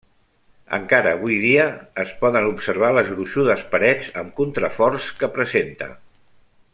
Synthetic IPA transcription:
ə̰ŋkaɾəːβ̞ujð̞iəːspɔðənupsəɾβ̞aləzɣɾuʃuðəspəɾɛd͡zəmkunt̪ɾəfɔrskəpɾəzent̪ə̰

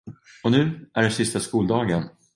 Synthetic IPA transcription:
ɔnʉ̟ːʔæɖɛsɪst̪askuːld̪ɑːɡən

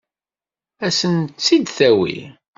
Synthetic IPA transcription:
æsənt͡sːid̪θæwḭ

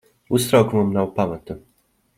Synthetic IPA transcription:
ust̪ɾawkumamnawpamat̪u

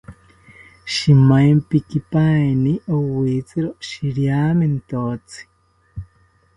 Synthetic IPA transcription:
ʃimajmpikipaniʔowit͡siɾoʃiɾjaːmint̪ot͡si̥

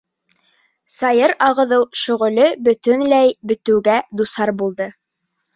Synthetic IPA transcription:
sɑjɤɾɑʁɤ̆ðɤwʃɵ̆ʁɵ̆lɵbɵ̆t̪ɵ̆nlæjbɵ̆t̪ɘ̆wɡæd̪usɑɾbulˠd̪ɤ

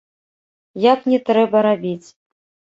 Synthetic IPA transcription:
jaknʲɛt̪ɾɛbɐɾabʲit͡sʲ

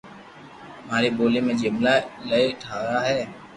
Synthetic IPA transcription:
maːɾeːboːleːmẽːd͡ʒɪmlaːləeʈʰaːɾaːɦɛː

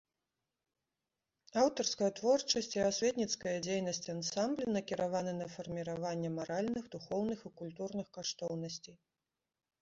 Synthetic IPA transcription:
awt̪ɐrskɐjɐt̪vɔrt͡ʂɐsʲt͡sʲiasʲvʲɛt̪nʲit̪skɐjɐd͡zʲejnɐsʲt͡sʲansamblʲinɐkʲiɾavanɨnɐfɐrmʲiɾavanʲːɛmaɾalʲnɨɣd̪uxɔwnɨxikulʲt̪urnɨxkaʂt̪ɔwnɐsʲt͡sʲij

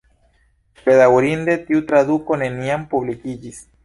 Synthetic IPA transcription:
peðawoɾind̪et̪iut̪ɾaðuko̞ne̞niampuβlikid͡ʒis

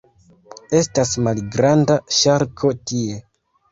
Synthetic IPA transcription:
e̞stasmalɡɾandaʃaɾkʰo̞tie̞

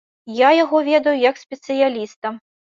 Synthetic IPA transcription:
jajaɣɔvʲɛd̪ɐjujɐksʲpʲɛt̪sɨjalʲist̪ɐm

